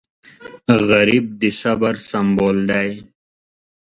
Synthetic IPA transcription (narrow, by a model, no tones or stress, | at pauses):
ɣaɾib̚d̪isabaɾsamboːld̪aj